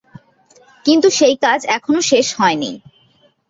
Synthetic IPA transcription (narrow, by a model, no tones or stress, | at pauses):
kint̪uʃejkad͡ʑɛkʰonoʃeʃhɔenḭ